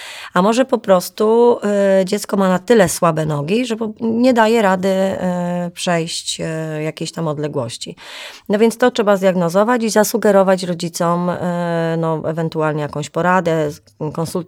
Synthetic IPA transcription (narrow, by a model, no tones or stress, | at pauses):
amɔʐɛpɔpɾɔst̪u | d͡ʑɛt̪skɔmanat̪ɘlɛswabɛnɔɡʲiʐɛpɔɲɛd̪ajɛɾad̪ɘ | pʂɛjɕt͡ɕjakʲeɕt̪amɔd̪lɛɡwɔɕt͡ɕḭnɔvʲjɛnt̪st̪ɔtʂɛbazd̪jaɡnɔzɔvat͡ɕizasuɡɛɾɔvat͡ɕɾɔd͡ʑit̪sɔm | nɔʔɛ̰vɛnt̪ualɲɛjakɔ̃w̃ɕpɔɾad̪ɛ | kɔnsult̪